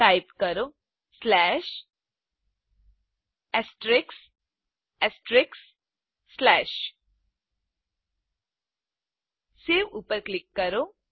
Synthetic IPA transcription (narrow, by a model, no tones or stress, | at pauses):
aːɪpkɐɾo | slɛːʃ | ɛsʈɾɪks | ɛsʈɾɪksː | lɛːʃ | seʋuːpəɾklɪkːəɾo